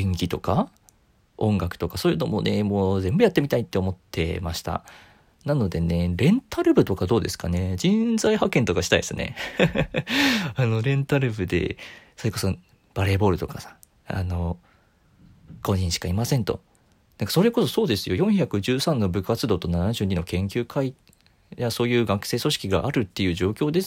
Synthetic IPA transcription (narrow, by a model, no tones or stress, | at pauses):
ẽŋɡʲit̪o̞ka | õ̞ŋɡakɯ̟̥o̞kaso̞ːjɯːno̞mo̞nemoːzẽ̞mbɯ̟jat̪ːe̞mʲit̪ait̪ːe̞omo̞t̪ʰːe̞̰maɕi̥t̪a̰ | nano̞d̪e̞ne̞ɾẽ̞nt̪aɾɯ̟bɯ̟t̪o̞kad̪o̞ːd̪e̞sɨ̥kane̞d͡ʑĩnzaihakẽ̞nt̪o̞kaɕi̥t̪aisɨne̞̰ | ano̞ɾẽ̞nt̪aɾɯ̟bɯ̟d̪e̞̰so̞ɾe̞ko̞so̞ | b̥aɾe̞ːbo̞ːɾɯ̟t̪o̞kasḁ | a̰no̞ | ɡ̥o̞ɲĩɰ̃ɕi̥kaimasẽ̞nt̪o̞̰ | nãŋkḁso̞ɾe̞ko̞so̞so̞ːd̪e̞sɨjo̞jõ̞ɰ̃çakɯ̟ʑɨːsãnːo̞bɯ̟kat͡sɨd̪o̞ːt̪o̞nanaʑɨːɲ̟ino̞kẽ̞ŋkʲɨːkʰai | jaso̞ːjɯ̟ːɡakɯ̥se̞ːso̞ɕi̥kʲiɡa̰ʔaɾɯ̟t̪ːe̞jɯ̟ːʑo̞ːkʲo̞ːd̪e̞s